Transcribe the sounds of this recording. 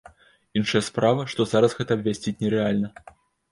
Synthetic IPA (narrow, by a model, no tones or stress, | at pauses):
inʂɐjɐspɾavɐʂt̪ɔzaɾɐsɣɛt̪ɐɐbvʲasʲt͡sʲit͡sʲnʲɛɾɛalʲnɐ